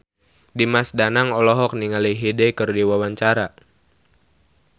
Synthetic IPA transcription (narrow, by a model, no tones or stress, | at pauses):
dimasdanaŋɔlɔɦɔk̚niŋaliɦidɛkɨrdiwawaɲt͡ʃaɾa